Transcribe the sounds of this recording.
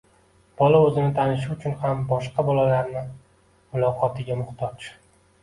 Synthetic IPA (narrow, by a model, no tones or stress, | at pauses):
b̥ɒlaɵzɪnɪt̪ʰanɪʃ̬ʊʊt͡ʃʰʊnhambɒʃqɑbɒlˠalaɾnɪ | mʊlˠɒqʰɒt̪ʰɪɡʲamʊχt̪ʰɒt͡ʃ